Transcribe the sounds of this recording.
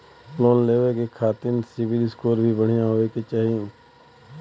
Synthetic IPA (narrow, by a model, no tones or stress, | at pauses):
ploːnleːʋekekʰaːt̪ɪnsɪʋɪlɪskoːɾbʱibəɽ̤ɪjãɦoːeket͡ʃaːɦi